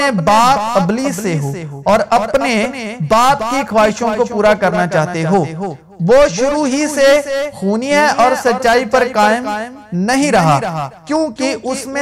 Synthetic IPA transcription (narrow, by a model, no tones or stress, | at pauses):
ẽbaːpɐbliːsːeɦoːɔːɾɐpnebaːtkixwaːɦɪʃõkopuːɾakɐɾnat͡ʃaːɦt̪eɦoː | ʋoʃʊɾuɦisexuːnijɛɔːɾsɐtːt͡ʃːaːipɐɾkaːɪmnɐɦĩɾɐɦaːkjõːkiʔʊsmẽ